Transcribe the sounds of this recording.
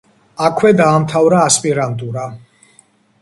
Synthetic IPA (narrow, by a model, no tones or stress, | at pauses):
akʰwɛd̪aːmt̪ʰavɾaːspʼiɾant̪ʼuɾa